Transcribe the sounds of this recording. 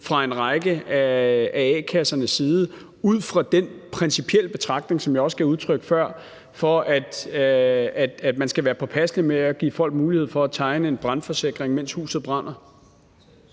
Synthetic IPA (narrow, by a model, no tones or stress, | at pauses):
fʁɑ̈e̝nʁɑ̈ɪɡ̥əææɛːkʰæsɐnəsːiːð̞ˠə | uð̰ˠfʁɑ̈d̥enpʰʁɛnsipʰiel̰əb̥e̝t͡sʰʁɑ̈ɡ̥̚d̥ne̝ŋsɒ̽mjɑ̈ɪɒ̽sɡ̥ʰæuð̞ˠt͡sʰʁœɡ̥ə̥fɶɐ̰ | fɒ̽ʔæd̥ | æd̥æd̥mænsɡ̥æʋæːɐpʰɒ̽pʰæslimeæɡ̥ḭːfɒ̽l̰ɡ̥muːlihe̝ð̰ˠfɒ̽æt͡sʰɑ̈ɪnəe̝nb̥ʁɑ̈nfɒ̽se̝ɡ̥ʁeŋmen̰shṵːsð̩ˠb̥ʁɑ̈n̰ɐ